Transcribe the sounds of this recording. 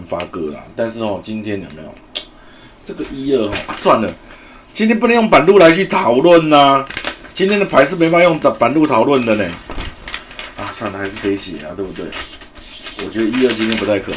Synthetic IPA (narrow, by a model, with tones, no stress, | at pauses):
nfa˦kɤ˧˥la̰˨˩t̪a˥˧nʂ̬ɻ̩˥˩hɔ˨t͡ɕi˦nt̪ʰjɛ˥njo˨˩me˨˧˥ɪjo̰˨˩ | ʈ͡ʂə˥˩ɡə˨ʔi˦˥ə˥˧˩xɔ̰˨˩ʔa˨swa˥˩nlə˩ | t͡ɕi˧˥nt̪ʰjɛ˥npu˥˩ə˦jo˥˩ŋp̬a˨˩nlu˥˩la˧˦ɪt͡ɕʰy˥˩t̪ʰɑ˨˩ʊlwə˥˨nːa˨t͡ɕi˥nt̪ʰjɛ˥nd̪ə˨pʰa˧˥ɪʂ̬̩˥˨me˧˥ɪpa˥˧˨jo˥˩ŋ˨pa˨˩nlu˥˩t̪ʰɑ˨˩ʊlwə˥˨nd̪ə˨ne˨˩ | a˨˩swa˥˩nd̪ə˨˩a˧˥ɪʂ̬ɻ̩˥˩pe˧˥ɪɕjɛ̰˨˩la̰˨˩t̪we˥˧ɪbu˥t̪we˥˩ɪ | wɔ˨˩t͡ɕɥɛ˧˥d̪ə˨˧i˦˥ə˥˧t͡ɕĩ˥nt̪ʰjɛ˥npu˧t̪ʰa˥˩ɪkʰɤ˨˩